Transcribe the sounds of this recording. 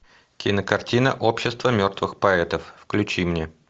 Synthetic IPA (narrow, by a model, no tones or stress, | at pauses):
kʲɪnəkɐrtʲinə̰ʔopɕːɪst̪vəmʲo̞rt̪vɨxpɐɛt̪əfːklʲʉt͡ɕimnʲe